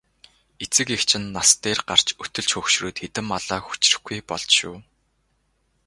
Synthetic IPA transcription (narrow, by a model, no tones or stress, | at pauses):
et͡sɘ̆kekt͡ɕʰɪ̆nːast̪eːrɢar̥t͡ɕɵt̪ɵ̆ɮt͡ɕxɵkʃruːt̪xet̪ɘ̆maɮaːxu̥t͡ɕrɘ̆xɡujpɔɮt͡ɕʃṵː